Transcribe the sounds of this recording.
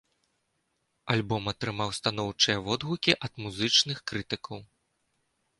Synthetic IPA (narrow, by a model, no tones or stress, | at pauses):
alʲbɔmɐt̪ɾɨmawst̪anɔwt͡ʂɨjɐvɔd̪ɣukʲiʔɐd̪̥muzɨt͡ʂnɨxkɾɨt̪ɨkɐw